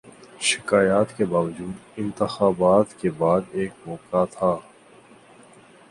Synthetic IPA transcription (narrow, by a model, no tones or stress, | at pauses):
ʃɪ̥kaːjaːt̪kebaːʋəd͡ʒuːd̪ɪ̃nt̪əxaːbaːt̪kebaːd̪eːk̚mɔːkat̪ʰaː